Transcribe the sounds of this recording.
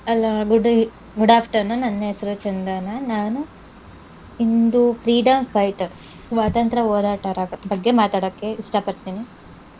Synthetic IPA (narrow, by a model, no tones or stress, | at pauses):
ɐlːɐɡuɖ | ɡuɽaːpʰʈɐɾnɐnɐnːɐɦesɐɾut͡ʃɐnd̪anɐnaːnu | ind̪ufʰɾiːɖɐmpʰɐjʈɐɾsʋaːt̪ɐnt̪ɾɐɦoːɾaːʈɐɾaːbɐɡːe̞maːt̪aːɽokːe̞iʂʈɐpɐɽt̪iːni